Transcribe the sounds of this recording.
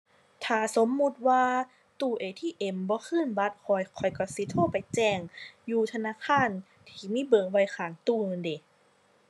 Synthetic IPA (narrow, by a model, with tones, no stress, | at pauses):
t̪ʰaː˨˩so˨˦mːu˧t̪̚waː˧ | t̪uː˧˩ʔeː˧˩t̪ʰiː˧˨ʔe˧˩mbɔː˧˦kʰɯː˧˥˨nba˧˥t̪̚kʰɔ˨˩jkʰɔ˨˩jkɔ˧˩si˨˦t̪ʰoː˧˥˨pa˨jt͡ɕɛː˧˩ŋjuː˧˩t̪ʰa˧naː˧˥˨kʰaː˧˥˨n | t̪ʰiː˧˩miː˧˥˨bɤː˨˧˩ŋwa˧˩jxʰaː˨˩ŋt̪uː˧˩nɯː˧˨nde˨˩